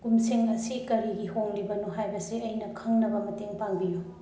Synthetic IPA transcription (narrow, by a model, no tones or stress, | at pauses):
ɡ̥umseŋɐsikɐɾiɡihoŋlibɐnuɦajbɐsiɐjnɐkʰɐŋnɐbɐmɐteŋpaŋbiju